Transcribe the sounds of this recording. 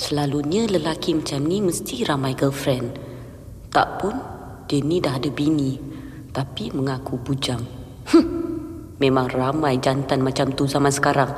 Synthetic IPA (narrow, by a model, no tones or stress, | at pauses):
səlaluɲaləlakimat͡ʃamniməst̪iɾamajɡəlfɾɛn | t̪a̰ʔpʊn | dənidahdabini | t̪apiməŋakubud͡ʒaŋ | h̩ | mẽmaŋramãjd͡ʒant̪anmat͡ʃamt̪uzamansə̥kaɾaŋ